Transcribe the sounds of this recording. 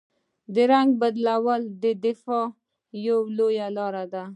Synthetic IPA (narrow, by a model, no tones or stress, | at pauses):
d̪əɾaŋɡ̚bad̪lawəld̪əd̪ɪfɑ | jowlojalɑɾad̪a